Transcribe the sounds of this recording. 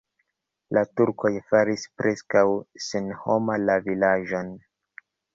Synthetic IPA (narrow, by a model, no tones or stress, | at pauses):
latuɾko̞jfaɾispɾʔe̞skawsenhomalavilaʒo̞n